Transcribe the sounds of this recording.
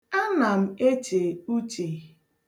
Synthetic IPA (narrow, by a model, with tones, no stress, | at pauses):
a˦na˨m̩˦e˦t͡ʃe˨u˦t͡ʃe˨